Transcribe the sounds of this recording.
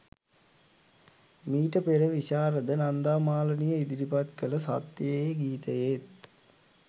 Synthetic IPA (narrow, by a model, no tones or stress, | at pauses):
miːʈəpeɾəʋiʃaːɾəd̪ənand̪aːmaːlənijəid̪iɾipat̪kələsat̪jəeɡiːt̪əjet̪